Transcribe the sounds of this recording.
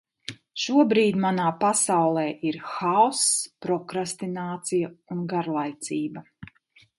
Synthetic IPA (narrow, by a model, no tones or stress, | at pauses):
ʃuɔbɾiːd̪ʲmanaːpasawlˠɛːʔiɾxaɔspɾɔkɾast̪inaːt̪sijaunɡaɾlˠajt̪siːbɐ